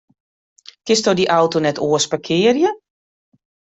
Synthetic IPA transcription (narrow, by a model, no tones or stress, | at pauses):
kɪstɔdiʔawtunɛtʰoəspakʰɪːərjə